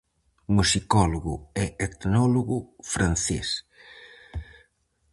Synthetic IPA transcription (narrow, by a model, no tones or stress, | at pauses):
musikɔloɣʊɛet̪nɔluɣʊfɾan̟θḛs